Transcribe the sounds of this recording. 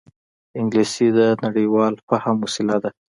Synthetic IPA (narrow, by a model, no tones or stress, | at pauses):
ɪŋɡlisid̪ənaɽəwɑlpahamʊsɪlad̪a